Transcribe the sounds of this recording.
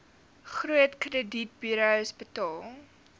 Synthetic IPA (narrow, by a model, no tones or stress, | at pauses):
χruətkrədit̚byɾəwsbətɑːlˠ